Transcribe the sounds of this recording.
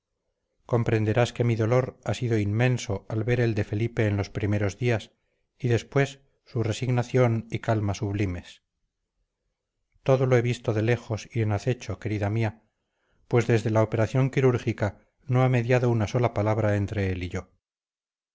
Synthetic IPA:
ko̞mpɾe̞nd̪e̞ɾaske̞miðo̞lo̞ɾasiðo̞inmẽ̞nso̞alβe̞ɾe̞ld̪e̞fe̞lipe̞ːnlo̞spɾime̞ɾo̞zðias | iðe̞spwe̞sː | ure̞siɣnaθjo̞nikalmasuβlime̞s | t̪o̞ðo̞loe̞βist̪o̞ðe̞le̞xo̞sienaθe̞t͡ʃo̞ke̞ɾiðamia | pwe̞zðe̞zðe̞laope̞ɾaθjo̞ŋkiɾuɾxika | no̞ame̞ðjaðo̞unaso̞lapalaβ̞ɾaent̪ɾe̞eliʝo̞

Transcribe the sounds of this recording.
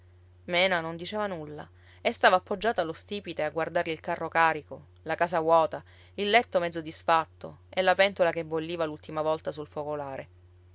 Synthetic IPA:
mɛːnanond̪it͡ʃɛːvanulːa̰ | est̪aːvaːpːod͡ʒːaːt̪alost̪iːpit̪eaɡward̪aɾilkarːokaːɾiko | lakaːsawɔːt̪a | ilːɛt̪ːomɛd̪zːod̪isfat̪ːo̰elːapɛnt̪olakebolːiːvalult̪imavɔlt̪asulfokolaːɾe

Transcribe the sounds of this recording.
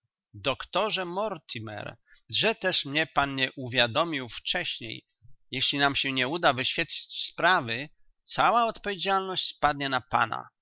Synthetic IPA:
d̪ɔkt̪ɔʐɛmɔɾt̪ʰimɛ̰ɾʐɛt̪ɛʂmɲɛpanɲɛʔuvʲjad̪ɔmʲiwft͡ʂɛɕɲḛj | jɛɕlʲinamɕɛɲɛud̪avɘɕfʲjɛt̪̚t͡ɕi̥t͡ɕspɾavɘ | t̪sawaɔt̪pɔvʲjed͡ʑalnɔɕt͡ɕspad̪ɲɛnapa̰na̰

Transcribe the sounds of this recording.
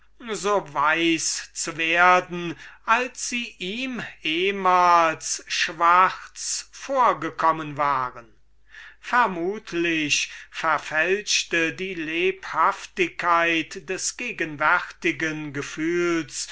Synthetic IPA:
zoːvaɪst͡suveːɐdn̩ʔalsz̥iːʔiːmeːmaːlsʃv̥aʁt͡sfoːɐɡəkʰɔmənvaːʁən | fɛɐmuːtʰlɪɕfɛɐfɛlʃtədiːleːphaftɪkʰːaɪtd̥ɛsɡ̥eːɡənvɛʁtɪɡənɡəfyːls

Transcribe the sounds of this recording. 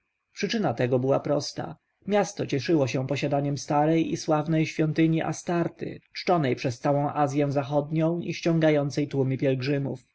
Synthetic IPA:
pʂɘt͡ʂɘnat̪ɛɡɔbɘwapɾɔst̪a̰ | mʲjast̪ɔt͡ɕɛʂɘwɔɕɛpɔɕad̪aɲɛmst̪aɾɛjḭswavnɛjɕfʲjɔnt̪ɘɲiʔa̰st̪aɾt̪ɘ̰t͡ʂt͡ʂɔnɛjpʂɛst̪sawɔ̃w̃ʔazʲjɛ̃w̃zaxɔd̪ɲɔ̃w̃iɕt͡ɕɔ̃ŋɡajɔnt̪sɛjt̪wumʲipʲjɛlɡʐɘmṵf

